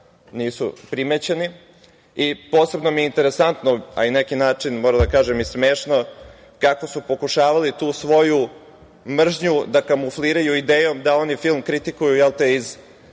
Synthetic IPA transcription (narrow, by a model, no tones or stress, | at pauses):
niːsṵpɾimet͡ɕeni | ipo̞ːse̞bnomijeint̪e̞ɾe̞sant̪noa̰ine̞kinaːt͡ʂinmoːɾad̪akaːʒemismeːʃno | kako̞supo̞kuʃaːʋalit̪uːsʋo̞ju | mr̩ʒɲud̪akamufliːɾajuid̪eːjomd̪ao̞nifilˠmkɾit̪ikujujelˠt̪eiz